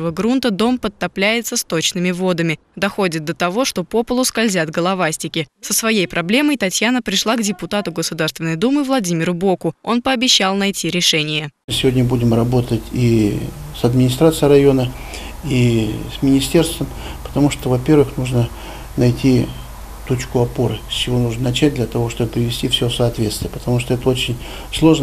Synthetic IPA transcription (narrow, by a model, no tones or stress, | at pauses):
vəɡɾunt̪əd̪o̞mpət̪ːɐplʲæjɪt̪səst̪o̞t͡ɕnɨmʲɪvo̞d̪əmʲɪ | d̪ɐxo̞dʲɪt̪̚d̪ət̪ɐvo̞ʂt̪o̞po̞pəlˠʊskɐlʲzʲat̪ɡəlˠɐvasʲtʲɪkʲɪsəsvɐjejpɾʔɐblʲe̞məjt̪ɐtʲjanəpɾʲɪʂlˠaɡdʲɪpʊt̪at̪ʊɡəsʊd̪arst̪vʲɪnːəjd̪umɨvlˠɐdʲimʲɪɾʊbo̞kʊo̞npəːbʲɪɕːalˠnɐjtʲiɾʲɪʂɛnʲɪjəɨsʲɪvo̞dʲnʲəbudʲɪmrɐbo̞t̪ətʲisɐd̪mʲɪnʲɪst̪ɾat̪sɨjɾɐjo̞nə | ismʲɪnʲɪsʲtʲe̞rst̪vəmpə̥t̪ɐmuʂt̪ovɐpʲe̞rvɨxnuʐnə | nɐjtʲi | t̪ut͡ɕkʊɐpo̞ɾɨsʲt͡ɕɪvo̞nuʐnənɐt͡ɕæt̚ʲd̪lʲɐt̪ɐvo̞ʂt̪o̞bəpɾʲɪvʲɪsʲtʲifsʲofsəɐt̪vʲe̞t̪st̪vɪjəpə̥t̪ɐmuʂt̪oɛt̪əo̞t͡ɕɪnʲ | slˠo̞ʐnə